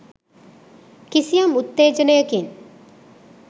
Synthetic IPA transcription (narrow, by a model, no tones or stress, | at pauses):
kisijamut̪ːeːd͡ʒənəjəkin